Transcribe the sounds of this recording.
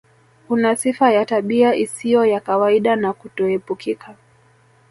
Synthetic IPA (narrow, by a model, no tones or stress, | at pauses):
kunasifajataɓiaʔisijɔjakawaiɗanakutɔɛpukikʰa